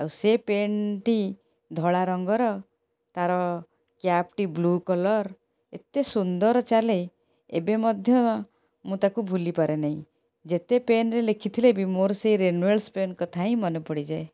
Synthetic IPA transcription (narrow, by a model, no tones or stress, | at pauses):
awsepenʈi | d̪ʱɔɭaɾɔŋɡɔɾɔ | t̪aɾɔ | kjapʈiblukɔlɔɾ | et̪esund̪ɔɾɔt͡ʃale | ebemɔd̪ʱjɔ | mũt̪akubʱulipaɾenaɦĩ | d͡ʒet̪epenɾelekʰit̪ʰilebimoɾseiɾenuelspenkɔt̪ʰaĩmɔnupɔɽid͡ʒae